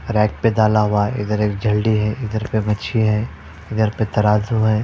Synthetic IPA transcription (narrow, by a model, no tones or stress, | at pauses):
ɾɛːk̚ped̪aːlaɦʊaɦɛɪ̰d̪əɾeːk̚d͡ʒʱɐlɖiɦɛʔɪd̪əɾpemɐt͡ʃʰiɦɛː | ɪd̪əɾpet̪ɐɾaːzuɦɛː